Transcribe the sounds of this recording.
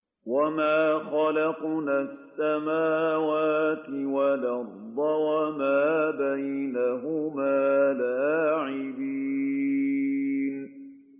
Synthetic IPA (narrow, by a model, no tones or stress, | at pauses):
wamaːxalɑqnaːsːamaːwaːt̪ɪwalaɾˤːɑwamaːbajnaɦʊmaːlaːʕɪbiː | n